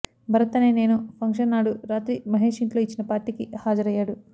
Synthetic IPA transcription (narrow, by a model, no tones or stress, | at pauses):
bʱɐɾɐt̪ɐne̞ːne̞ːnupʰɐŋkʂɐnːaːɽuɾaːt̪ɾimɐɦe̞ːʂiɳʈlo̞ːit͡ʃːinɐpaːɾʈːiːkihaːd͡ʒɐɾɐjːaːɽu